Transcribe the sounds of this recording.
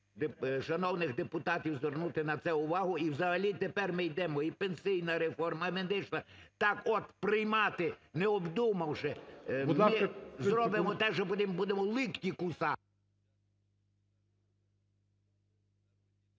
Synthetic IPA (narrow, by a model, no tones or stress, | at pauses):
d̪ʃɐnɔwnɪɣd̪epʊt̪ɑtʲiwzʋernut̪ɪnɐt̪sɛʊʋɑɦʊiwzɐɦɐlʲit̪epɛrmɪjd̪ɛmɔipensʲɪjnɐɾefɔrmɐmed̪ɪʃlˠɐt̪ɑkɔt̪pɾɪjmɑt̪ɪnɛɔbd̪umɐwʃɛmɪzɾɔbɪmɔt̪ɛʃɔbud̪ʲɪmbud̪emɔlˠɪkt̪ʲikusɑ